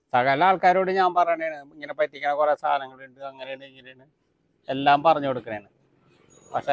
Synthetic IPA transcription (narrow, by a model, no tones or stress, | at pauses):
sɐɣɐlaːɭkaːɾoːɽeɲaːmpɐrɐɲːɳeɳɨiŋːɐne̞pɐt̪ːikʲːɐɳːɐkuresʰa̰ːnɐŋːɐɭiɳɖɨɐŋːɐnejaɳɨiŋːɡineːɳɨ | e̞lːaːmpɐrɐɲːukoɽukːɨneːɳɨ | pɐkʂe